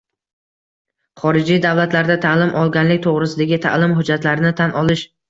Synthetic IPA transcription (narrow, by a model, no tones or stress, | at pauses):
χɒɾɪd͡ʒijd̪avlat̪laɾd̪at̪ʰalɪmʔɒlˠɡʲanlɪk̚ʲt̪ʰoʁɾɪsɪd̪aɡʲɪt̪ʰa̰lɪmɦʊd͡ʒːat̪laɾɪnɪt̪ʰanʔɒlˠɪʃ